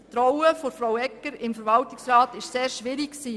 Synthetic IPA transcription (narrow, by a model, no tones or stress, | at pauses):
t̪ɾɔwəfɔɾfɾawɛkːəɾɪmfəɾʋɑltɪksɾɑːtɪʃseːɾʃʋɪɾɪkksiː